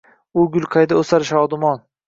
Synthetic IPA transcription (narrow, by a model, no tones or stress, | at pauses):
ʊɡʲʊlʲˠqʰajd̪aɵsaɾʃɒd̪ʊmɒn